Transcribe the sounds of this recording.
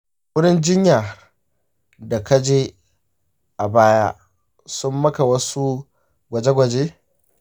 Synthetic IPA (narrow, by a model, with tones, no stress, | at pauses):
wʊ˦ɽɪ˦nd͡ʒɪ˦ɲjaː˨ | da˨ka˦d͡ʒeː˦ | ʔa˨baː˦ja̰˦ | sʊ˦mːɐ˦ka˨wɐ˦su˦ | ɡʷɐ˨d͡ʒe˦ɡʷɐ˨d͡ʒeː˦